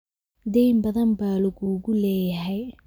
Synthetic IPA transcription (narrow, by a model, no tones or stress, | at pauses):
d̪ɛjmbɐðɐmbaːlɐɣuːɣʊlɛːjɐɦɛj